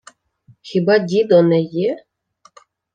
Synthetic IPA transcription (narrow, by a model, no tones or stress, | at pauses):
xʲibɑdʲid̪ɔnɛjɛ